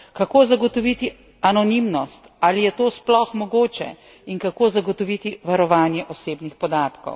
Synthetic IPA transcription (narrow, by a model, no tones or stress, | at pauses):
kakoːzaɡɔt̪ɔʋit̪i | anɔnimnɔst̪alijɛt̪oːsplɔxmɔɡoːt͡ʃɛ̰ | iŋkakoːzaɡɔt̪ɔʋit̪iʋaɾɔʋaːnjɛʔɔseːbnixpɔd̪aːt̪kɔ̰w